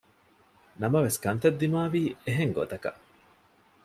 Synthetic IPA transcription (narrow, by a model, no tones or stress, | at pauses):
nɐmɐʋeskɐnt̪ɐd̪ːimaːʋiːeɦeŋɡo̰t̪ɐkɐ̰ʔ